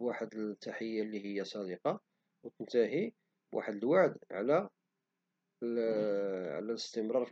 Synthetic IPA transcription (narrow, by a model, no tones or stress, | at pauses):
waħəd̪ət̪ːaħəjːalːiɦəjːasˤɑd̪əqɑ | wt̪ənt̪æɦi | bwʔa̰ħəd̪əlwaʕd̪ʕlæ | ʕ̰læləst̪əmɾˤɑɾˤ